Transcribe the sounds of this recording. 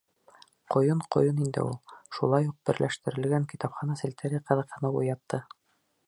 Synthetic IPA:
qŏjɤɴqŏ̰jɤnind̪ɘ̰ulˠʃulˠɑjuq̚b̥ɘ̆ɾlʔæʃt̪ɘ̆ɾɘ̆lɡæŋkit̪ɑpχɑnɑsɘ̆lʲt̪æɾʲiqɤ̆ðɤ̆qhɤ̆nɤṵjɑt̪ːɤ

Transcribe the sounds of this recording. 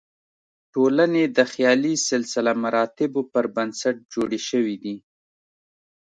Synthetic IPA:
ʈolaned̪əxjɑlisɪlsɪlamaɾɑt̪ɪbopəɾbənsaʈ̚d͡ʒoɽeʃəwid̪i

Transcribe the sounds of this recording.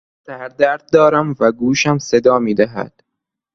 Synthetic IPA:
sæɾd̪æɾd̪̚d̪ɒːɾæmvæɡuːʃæmsed̪ɒːmiːd̪æɦæ̰d̪̥

